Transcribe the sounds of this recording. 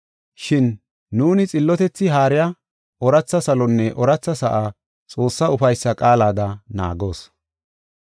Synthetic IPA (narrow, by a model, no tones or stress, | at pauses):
ʃɪnː | uːnɪt͡sʼɪlːɔt̪ɛt͡sːɪɦaːɾɪja | ɔɾɐt͡sːɐsɐlɔnːɛʔɔɾɐt͡sːɐsɐʔa | t͡sʼo̞ːsːɐʊfɐjsːɐkʼaːlaːd̪ɐna̰ːɡo̞ːs